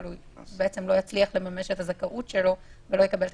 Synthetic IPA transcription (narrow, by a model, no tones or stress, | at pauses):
lujbeʔet͡se̞mlo̞jat͡sliaχle̞mameʃetazakaʔutʃe̞lo̞velo̞jekabe̞lt